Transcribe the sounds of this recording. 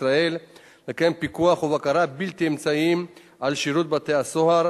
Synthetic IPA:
ʁael | lekempikuaχuvakaɾabilt̪iemt͡saim | ʔalʃiɾut̪̚bat̪easohaɾ

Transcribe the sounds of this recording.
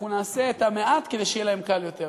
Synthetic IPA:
unaːse̞ːt̪ameat̪ke̞d̪ejʃejelaemkaljo̞t̪e

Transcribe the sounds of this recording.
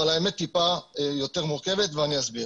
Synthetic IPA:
alaemet̪ːipajo̞t̪e̞ʁmuʁke̞vet̪veaniasbi

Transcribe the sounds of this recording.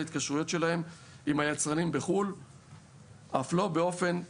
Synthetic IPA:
it̪̚kaʃʁujo̞t̪ʃe̞lahe̞m | imhajat͡sʁanimbe̞χul | ʔaflo̞beo̞fe̞n

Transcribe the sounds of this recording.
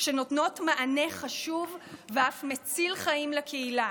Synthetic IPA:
ʃeno̞tno̞tmaʔane̞χaʃuvveafmet͡silχaimlakʰeila

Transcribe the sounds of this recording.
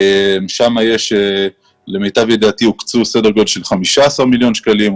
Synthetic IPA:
emʃamaje̞ʃe | le̞mejt̪avjed̪aːt̪iukt͡susedeɡodlʃelχamiʃaːsaʁmiljo̞nʃkalim

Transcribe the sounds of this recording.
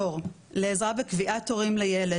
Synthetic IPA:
oʁ | leːzʁabekviʔatːoʁimlejele

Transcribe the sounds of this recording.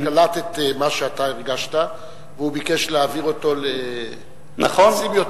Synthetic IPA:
kalat̪et̪emaʃeat̪aiʁɡaʃta | veubikeʃleaviʁo̞t̪o̞le | na̰χonsimjot

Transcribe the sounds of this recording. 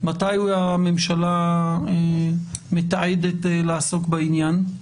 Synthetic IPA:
mat̪ajuamemʃalaemet̪aʕed̪et̪laːso̞kbainjan

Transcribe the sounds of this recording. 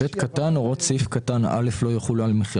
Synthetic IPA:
et̪katanoʁot̪sifkat̪ana̰le̞flo̞jaχulalmeχi

